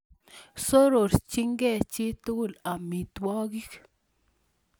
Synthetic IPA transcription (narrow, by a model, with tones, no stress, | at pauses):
so˦ɾo˨ɾt͡ʃi˦ŋɡɛ˦˨t͡ʃi˦t̪u˦˨la˨mi˨t̪wɔ˦ɡi˦k